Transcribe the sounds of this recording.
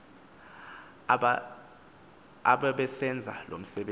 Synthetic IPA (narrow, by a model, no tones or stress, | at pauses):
aɓaɓɛsɛnd͡zʱa̰lom̩sɛɓe